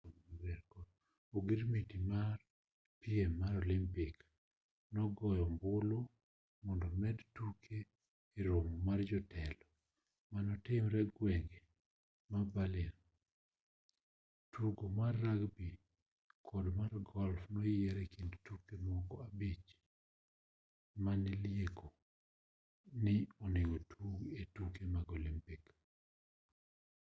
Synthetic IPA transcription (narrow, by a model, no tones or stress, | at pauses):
bɛɾkɔd | oɡiɾmitimar | pɪɛmːaɾɔlɪmpɪk | nɔɡɔjɔmbʊlo | mɔndɔmɛdtukʰeː | ɾomɔmard͡ʒɔtʰɛlɔ | manɔtɪmɾɛɡwɛŋɡɛ | mabalɪn | tuɡomarːaɡbi | kʰɔdmarɡɔlfnɔjɛɾɛkindtukemɔkɔabit͡ʃ | manɛljeko | nɪɔnɪɡotʰuɡetukemaɡolimpik